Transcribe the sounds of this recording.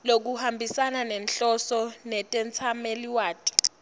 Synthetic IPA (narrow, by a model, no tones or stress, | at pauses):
lok̬uhambʱisananɛnɬɔsɔnɛtʼɛnt͡sʰameliwaːtʼi̥